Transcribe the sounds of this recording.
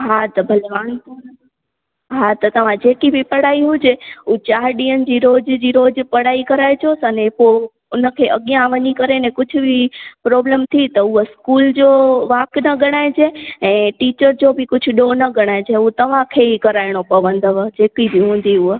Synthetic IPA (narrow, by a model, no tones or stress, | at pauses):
ɦat̪ɐbʱɐlʋaːnt̪o | ɦat̪ɐt̪ɐʋ̤ãd͡ʑeːkibʱipɐɽ̤aːiɦʊd͡ʑeut͡ɕaːɾɗiːənɪ̆d͡ʑiːɾoːd͡ʑd͡ʑiːɾoːd͡ʑpɐɽ̤aːikɐɾaːet͡ɕoːsɐnẽpo | ʊnə̆kʰeʔɐɠijãʋɐɲikɐɾenẽkʊd͡ʑʱʊ̆bʱipɾɔːblemt̪ʰit̪ɐʊɦəskuːld͡ʑoʋaːknɐɡʱɐɽ̃aːẽd͡ʑeɛ̃ːʈiːt͡ɕəɾd͡ʑobʱɪkʊd͡ʑʱʊ̆ɗonɐɡʱɐɽ̃aːɪ̃d͡ʑeuɦt̪ɐʋ̤ãkʰeikɐɾaːɪɽ̃opɐʋə̃nd̪əʋəd͡ʑeːkibʱiɦũːn̆d̪iʊɦ